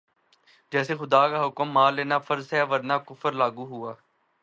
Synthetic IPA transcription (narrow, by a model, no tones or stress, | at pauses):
d͡ʒɛːseːxʊd̪aːkaːɦʊkəmːaːlːeːnaːfʰəɾzɦɛːʋəɾnaːkʊfəɾlaːɡuːɦʊaː